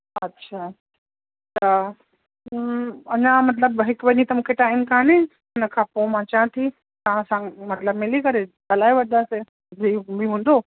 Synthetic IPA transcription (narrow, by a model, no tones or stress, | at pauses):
ɐtːɕʰaː | t̪ɐ | ɐɲãmɐt̪̬ləbɦɪkʋɐɲĩt̪ɐmũːkʰeʈaːɪnkaːnẽ | ʊnəkʰãːpomãt͡ɕãːt̪ʰi | t̪ɐʋ̤ãsãmɐt̪ləbmɪlikɐɾet̪ɐlaːiʋɐd̪ase | zibiɦũːnd̪o